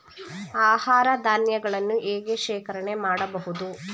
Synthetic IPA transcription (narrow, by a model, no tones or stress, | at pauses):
aːhaːɾɐd̪ʱaːnjɐɡɐɭɐnːuʔeːɡeʃeːkɐɾɐɳe̞maːɽɐbɐɦud̪u